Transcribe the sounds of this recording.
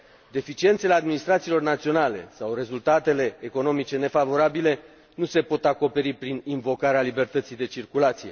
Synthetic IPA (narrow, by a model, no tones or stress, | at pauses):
d̪e̞fit͡ʃie̞nt̪selead̪minist̪ɾat̪silo̞rnat̪sio̞nale̞̰sawre̞zult̪at̪e̞le̞ːko̞no̞mit͡ʃe̞ne̞favo̞ɾabile̞ | nuse̞po̞t̪ako̞pe̞ɾipɾininvo̞kaɾealibe̞rt̪ət̪sijd̪e̞t͡ʃirkulat̪sije̞̰